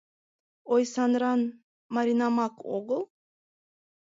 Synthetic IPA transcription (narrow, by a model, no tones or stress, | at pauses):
ojsɑnɾɑn | maɾʲinamɑko̰ɡəlˠ